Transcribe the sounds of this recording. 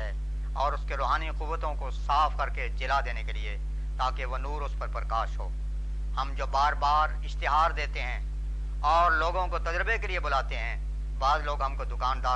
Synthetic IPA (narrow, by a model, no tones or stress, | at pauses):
ɛ | ɔːɾʊskeɾoːɦaːniqʊʋːət̪õkosaːfkɐɾked͡ʒɪlad̪eːnekelie | t̪aːkeʋonuːɾʊspɐɾpɾəkaːʃɦo̰ː | hɐmd͡ʒoːbaːɾbaːɾɪʃt̪ɪɦaːɾd̪eːt̪eɦɛ̃ː | ɔːɾloːɡõkot̪ɐd͡ʒɾəbekeliebʊlaːt̪eɦɛ̃ | baːd̪loːɡɦɐ̃mkod̪ʊkaːnd̪aː